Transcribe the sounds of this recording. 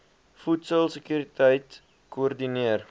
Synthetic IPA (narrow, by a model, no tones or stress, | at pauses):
futsəlˠsəkyɾitʰəjt | kuərdiniər